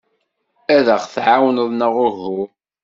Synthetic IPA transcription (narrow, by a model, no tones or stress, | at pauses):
æðəχθʕawnəðˤnəʁʊɾhʊ